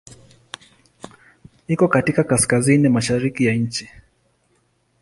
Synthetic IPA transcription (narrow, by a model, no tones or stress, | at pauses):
ikɔkatikakaskazinimaʃaɾikijaɲ̩t͡ʃi